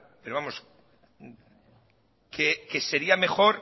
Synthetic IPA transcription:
pe̞ɾo̞βamo̞s | keke̞se̞ɾiame̞xo̞ɾ

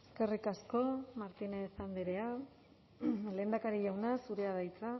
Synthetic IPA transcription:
eske̞rikasko̞maɾt̪inesand̪iɾe̞a | le̞ːnd̪akaɾiʎawnasuɾe̞að̞ajt͡sa

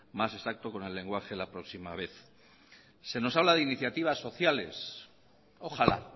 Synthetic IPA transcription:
mase̞sak̚t̪oko̞ne̞lːe̞ŋɡwaxe̞lapɾo̞ksimaβ̞e̞θ | se̞no̞saβlaðeiniθjat̪iβ̞asːo̞θjale̞̰s | oxala̰

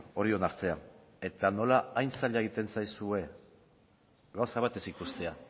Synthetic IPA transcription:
o̞ɾio̞naɾt͡se̞a | e̞t̪ano̞laajnsaʎaeɣ̞it̪e̞nsajsue̞ | ɣawsaβ̞at̪e̞sikust̪e̞a

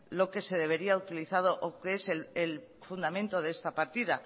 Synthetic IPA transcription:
lo̞ke̞se̞ðe̞β̞e̞ɾiaut̪iliθað̞oʔokeselelfund̪amẽnt̪o̞ðe̞st̪apaɾt̪iða

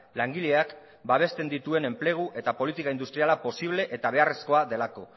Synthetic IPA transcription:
laŋɡiʎe̞ak | baβ̞e̞st̪e̞nd̪it̪ue̞ne̞mple̞ɣ̞uʔe̞t̪apo̞lit̪ikaind̪ust̪ɾialapo̞siβ̞le̞ʔet̪aβ̞e̞are̞sko̞aðe̞lako̞

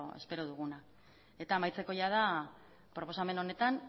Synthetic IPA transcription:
e̞̰spe̞ɾoð̞uɣ̞una | e̞t̪aːmajt͡se̞ko̞jað̞a | pɾo̞po̞same̞no̞ne̞t̪an

